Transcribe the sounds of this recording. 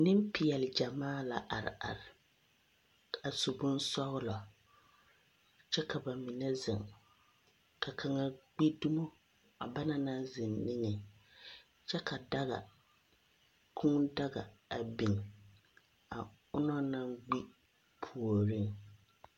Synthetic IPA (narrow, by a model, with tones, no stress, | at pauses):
nɪ˦m˦pi˨jɛ˨lɪ˨d͡ʒa˨maː˦la̰˨ʔa˨ɾɪ̰˨ʔa̰˨ɾɪ˨ | a˨so˨bʊ˦nsɔ˦ɣʊ˦lɔ˨ | t͡ʃɛ˦kʰa˨ba˨mɪ˨nɛ˦zɪ˨ŋ | kʰa˨kʰa˨ŋa˦ɡ͡bi˦du˦mo˦ | a˨ba˦na˨na˦zɪ˨nːɪ˦ŋɛ˨ | t͡ʃɛ˦kʰa˨da˦ɣa̰˨ | kʰuː˦da˦ɡa̰˨a˨bi˨ŋ˨ | a̰˨ | ʊ˦nɔ˦na˦ŋɡ͡bi˦ | pʰu˨o˨ɾi˦ŋ